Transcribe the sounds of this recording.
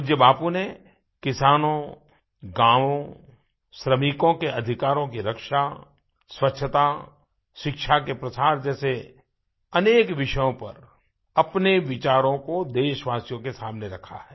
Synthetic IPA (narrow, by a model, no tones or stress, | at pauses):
d͡ʒjəbaːpune | kɪsaːnõ | ɡãːʋõ | ʃɾəmikõkeʔɐd̪ʱɪkaːɾõkiɾɐkʃa | swɐtːʃʰət̪a | ʃɪkʃʰakepɾɐsaːɾd͡ʒɛːse | ɐneːkʋɪʃəjõpɐ̰ɾ | ɐpneʋɪt͡ʃaːɾõkod̪eːʃʋaːsijõkesaːmneɾɐkʰa̰ɦɛː